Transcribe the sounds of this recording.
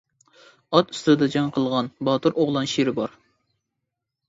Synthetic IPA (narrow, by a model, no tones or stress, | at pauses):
ɑt̪y̥st̪ɪd̪ɛd͡ʒɑŋqʰəlˠʁɑnbɑt̪uɾʔoʁlˠɑnʃiɾɪbɑɾ